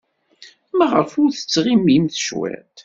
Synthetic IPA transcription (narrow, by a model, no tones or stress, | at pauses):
mæʁəɾfʊɾθə̥t͡sːʁimimθəʃwæ̰t̪